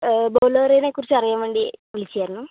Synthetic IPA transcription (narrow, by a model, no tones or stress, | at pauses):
boːloːrenekːurit͡ɕːɐrijaːmʋeːɳɖiʋilit͡ɕːijaːɾunːu